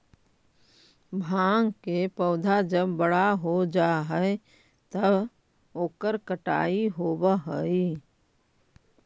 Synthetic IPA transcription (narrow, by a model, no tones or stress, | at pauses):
bʱãːŋɡkepəʊd̪ʱad͡ʒəbːəɽaɦod͡ʒaɦɛe | t̪əb | oːkəɾkəʈa̰ːiɦoːbəɦəi